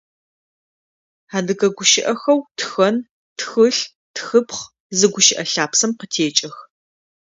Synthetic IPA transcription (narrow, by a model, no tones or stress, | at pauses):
aːdɨɣɐɡʷʊʃɪʔɐxɐwtxɐn | txɨɬ | txɨpχ | zɨɡʷʊʃɪʔɐɬaːpsɐmqətʰeːt͡ʃʼɐx